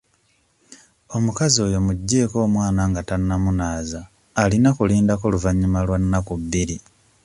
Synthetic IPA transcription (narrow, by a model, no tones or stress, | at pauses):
o̞mukazio̞ːjo̞muɟːe̞ːko̞ːmwaːnaŋɡatanːamunaːzaː | linakuliːndako̞luvaɲːimalwanːakuβːiɾi